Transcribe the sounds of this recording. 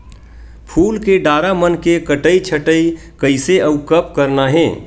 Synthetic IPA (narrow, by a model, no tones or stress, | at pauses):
pʰulkeɖaːɾamənkekəʈəit͡ʃʰəʈəi | kəɪseəukəpkəɾnaɦẽː